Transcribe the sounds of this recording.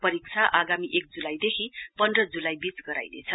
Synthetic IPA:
pʌɾik̚t͡sʰaʔaɡamiʔek̚d͡zulajd̪ekʰipʌnd̪rʌd͡zulajbit͡sɡʌɾa̰jnḛt͡sʰʌ

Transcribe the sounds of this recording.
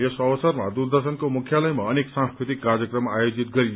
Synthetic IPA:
esʌʌsʌrmad̪urd̪ʌrsʌnkomukʰjalʌjmaʌneksãnskɾit̪ikːad͡zjʌkrʌmajod͡zit̪ɡʌɾi

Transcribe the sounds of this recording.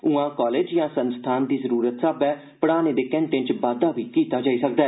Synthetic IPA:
ʊãːkaːleːd͡ʒjãːsənst̪ʰaːnd̪iːzəɾuːɾət̪saːbɛː | pəɽaːneːd̪eːkɛ̃ːɳʈẽnt͡ʃbaːd̪aːbiːkiːt̪aːd͡ʒaːiːsəkd̪aː

